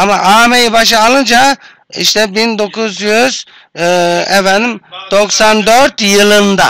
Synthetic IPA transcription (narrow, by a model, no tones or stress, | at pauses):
amaʔaːmejibaʃ̬ɯːlˠɯnd͡ʒa | ḭʃt̪ʰɛbind̪o̞kuzjyz̥ | ɛfɛnd̪imd̪̥o̞ksand̪øɾt̪jɯlˠɯnd̪a